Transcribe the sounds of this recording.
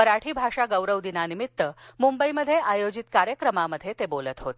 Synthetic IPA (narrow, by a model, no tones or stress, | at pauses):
məɾaʈʰiːbʱaʂaɡəwɾəʋd̪inanimit̪ːəmumbəiməd̪ʱːjeʔajod͡ʑit̪kaɾjəkɾəmaməd̪ʱjet̪ebolət̪ɦot̪e